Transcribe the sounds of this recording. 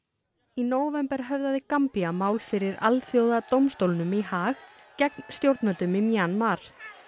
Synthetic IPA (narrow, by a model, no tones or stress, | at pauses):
inoːwvɛmpɛɾ̥ɦœvðaðɪkampiamaːwlfɪɾɪɾa̰lθjowðat̪owmst̪owlnʏmihaːx | cɛk̚nst̪jowɾt̪nmœlt̪ʏmɪmjanmaɾ̥